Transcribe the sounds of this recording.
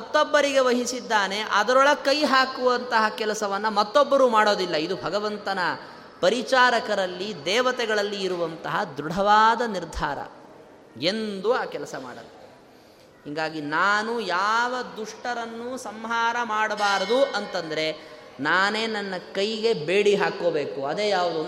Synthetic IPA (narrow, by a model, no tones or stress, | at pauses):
mɐt̪ːɔbːɐɾiɡe̞ʋɐɦisid̪ːaːne̞ʔɐd̪ɐɾɔɭɐkɐjɦaːkuʋɐnt̪ɐɦɐkɛlɐsɐʋɐnːɐmɐt̪ːɔbːɐɾumaːɽo̞ːd̪ilːɐid̪ubʱɐɡɐʋɐnt̪ɐnɐ | pɐɾit͡ʃaːɾɐkɐɾɐlːid̪ɛːʋɐt̪ɛɡɐɭɐlːiːɾuʋɐnt̪ɐɦɐd̪ɾuɽʱɐʋaːd̪ɐniɾd̪ʱaːɾɐ̰ | e̞nd̪uaːkɛlɐsɐma̰ːɽɐ̰lːɐ | hiŋɡaːɡinaːnujaːʋɐd̪uʂʈɐɾɐnːusɐmɦaːɾɐmaːɽbaːɾɐd̪uʔɐnt̪ɐnd̪ɐɾe̞ | naːneːnɐnːɐkɐjɡe̞beːɽiɦaːkoːbeːkuɐd̪eːjaːʋud̪u